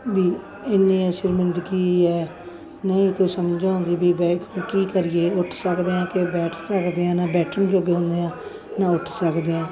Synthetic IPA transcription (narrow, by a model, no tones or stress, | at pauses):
biː | ɪnːĩːʃɪɾmɪnd̪əɡiːɛː | nəĩːkoːiːsəmd͡ʒãːõnd̪iːbiːbɛːkːkiːkəɾiːeːʊʈʰsəkd̪eːãːkebɛːʈʰsəkd̪eːãːnaːbɛːʈʰənd͡ʒoːɡeːɦʊ̃nd̪eːãː | nãːʊʈʰsəkd̪eːãː